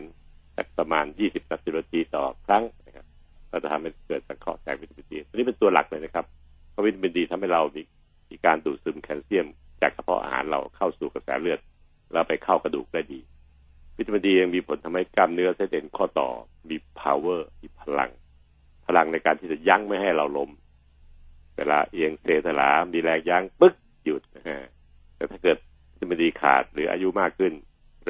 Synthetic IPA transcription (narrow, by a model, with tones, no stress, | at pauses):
nlɛ̰˦˥˩pɾa˧maː˧njiː˥˩si˨˩p̚na˦˥si˨˩wa˧t̪ʰiː˧t̪ɔ̰ː˨˩kʰɾa˦˥˩ŋla˧˩ŋkʰa˦˥ | ɾa˧˩wt͡ɕa˨˩t̪ʰa˧mha˥˩jkɤː˨˩t̪̚sa˨˩ŋkʰɔ̰˥˩t͡ɕa̰ː˨˩k̚wi˦˥t̪ʰːpi˧ndiː˧ɔ˧niː˦˥pe˧nt̪u˧ɐla̰˨˩k̚lɤː˧jna˧˥kʰa˦˥p̚ | pʰɔ˦˥wi˦˥t̪ʰːa˧pʰi˧ndiː˧t̪ʰa˧mha˥˩jɾa˧wmiː˧ | miː˧kaː˧nduː˨˩t̪̚sɯː˧mkʰɛː˧nsi˥˩əm | t͡ɕa̰ː˨˩k̚sʰa˧pʰɔ̰˦˥ʔa̰ː˧ha̰ː˩˦nɾa̰˧wkʰa˥˩wsuː˨˩ka˧sɛ̰ː˩˦lɯ˥˩ət̪̚ | lɛ˦˧˥wpa˧jkʰa˥˩wka˧duː˨˩k̚daː˥˩jdiː˧ | wi˦˥t̪ʰːa˧ba˧diː˧ja˧ŋmiː˧pʰo˨˦nt̪ʰma˦˥jka˥˩mnɯ˦˥ɐsa˧˦˥t̪ʔe˧nkʰɔː˥˩t̪ɔ̰ː˨˩ | miː˧pʰaː˧wɤː˥˩miː˧pʰa˧la̰˧ŋ | pʰa˧la˧ŋna˧jkaː˧nt̪ʰiː˥˩t͡ɕa˨˩ja˦˥ŋma˥˩jɦa˥˩jɾa˧wlo˦˥m | wɛː˧˩laː˧ʔe˧əŋseː˧˩t̪ʰa˧la̰ː˩˦miː˧lɛː˧ŋja˦˥˩ŋpɯ˦˥k̚ | ju˨˩t̪̚na˧˩kʰa˧˥˩ | t̪ɛː˨˩t̪ʰaː˥˩kɤː˨˩t̪̚ʰt̪ʰːa˧ba˧diː˧kʰa̰ː˨˩t̪̚ɾɯː˨˩˦ʔa̰˧ju˦˥maː˥˩kʰːɯ˥˩n